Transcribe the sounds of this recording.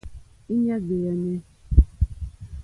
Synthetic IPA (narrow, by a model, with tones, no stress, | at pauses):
i˦ɲe˦ɡe˨e˨ne˦